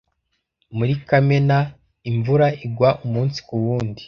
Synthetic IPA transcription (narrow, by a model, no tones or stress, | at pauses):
muɾikamena | iɱvuɾaiɡwaʔumuːnsi̥kuβuːndi